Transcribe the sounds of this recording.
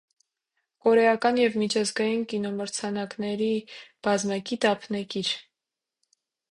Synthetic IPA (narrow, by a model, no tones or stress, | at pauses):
kɔɾɛɑkɑnjɛvmit͡ʃʰɑzɡɑjinkinɔməɾt͡sʰɑnɑknɛɾib̥ɑzmɑkit̪ɑpʰnɛkiɾ